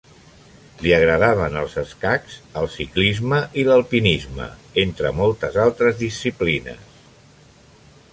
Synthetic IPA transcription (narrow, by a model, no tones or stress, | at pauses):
liəɣ̞ɾəðaβ̞ənəlˠzəskakzəlˠsiklizməʔiləlˠpinizmə̰ent̪ɾə̰mɔlˠt̪əzalˠt̪ɾəzðisːiplinə̰s